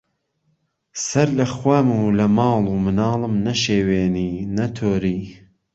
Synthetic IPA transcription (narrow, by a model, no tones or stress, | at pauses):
sɐɾlɐxwamuːlɐmɑːlˠuːmɨnɑːlˠɨmnɐʃeːweːniːnɐt̪ʰoːɾiː